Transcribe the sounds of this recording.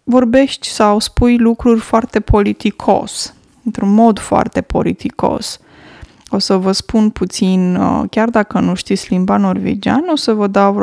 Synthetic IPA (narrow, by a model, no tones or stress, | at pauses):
vo̞rbe̞ʃt̪ʲsawspujlukɾurʲfoart̪e̞pʰo̞lit̪ikʰo̞̰s | ɨnt̪ɾunmo̞d̪foa̰rt̪e̞po̞̰lit̪iko̞̰s | o̞səvəspunput̪sinkʲard̪akənuʃt̪isʲlimbano̞rvḛd͡ʒa̰no̞səvəd̪a